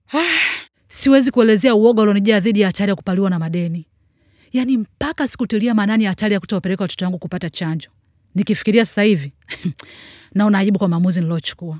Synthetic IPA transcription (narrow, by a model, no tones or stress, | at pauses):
a | siwɛzikuɛlɛzɛauɔɡɔlɔniʄaaðiɗijaːtalijaku̥paliwanamaɗɛni | janim̩pakasi̥kutiliamananijatalijakutawapɛɾɛkawatɔ̥tɔwaŋɡukupatat͡ʃaɲd͡ʒɔ | nikifi̥kiɾiasḁsahivi | naunaːiɓukwamaːmuzinilaɔt͡ʃu̥kua